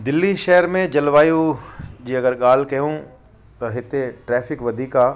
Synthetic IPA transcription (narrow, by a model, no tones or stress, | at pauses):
d̪ɪlːiʃɛɦəɾmẽd͡ʒɐlʋaːjũd͡ʒiːɐɡəɾɠaːlkɐjũ | t̪ɐɦɪt̪eʈɾɛːfɪkʋɐd̪ʱiːkaː